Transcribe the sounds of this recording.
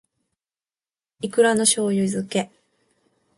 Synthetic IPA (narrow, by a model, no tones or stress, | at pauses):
ikɯ̟ɾano̞ɕo̞ːjɯizɨke̞